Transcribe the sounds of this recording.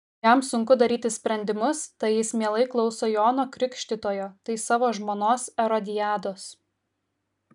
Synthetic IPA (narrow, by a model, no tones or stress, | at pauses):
jɛˑmsʊŋkʊd̪ɐɾʲiːt̪ʲɪsʲpʲɾʲɛnʲd̪ʲɪmʊst̪ɐɪjɪsmʲeɛlˠɐɪklˠɒʊsojoːnoːkɾʲɪkʃʲt̪ʲɪt̪oːjoːt̪ɐɪsɑːʋoːʒmoːnoːsɛɾɔd̪ʲɪjæːd̪oːs